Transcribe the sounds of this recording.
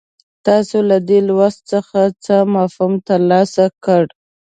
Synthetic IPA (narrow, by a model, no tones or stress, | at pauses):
t̪ɑsolad̪elwast̪t͡səxat͡səmɑfumt̪əɾlɑsakəɽ